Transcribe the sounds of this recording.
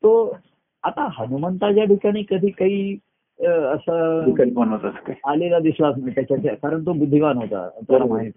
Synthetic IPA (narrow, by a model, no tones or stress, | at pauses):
t̪o | at̪aɦənumənt̪at͡ɕjabʱikaɽ̃ĩːkəd̪ʱiːkaɦiː | əsəikəlpmənɦot̪asə̥kaalelad̪islasnat̪jat͡ɕjat͡ɕakaɾəɳt̪̬obud̪ʱːiʋanɦot̪a̰t̪oɾamaɦit̪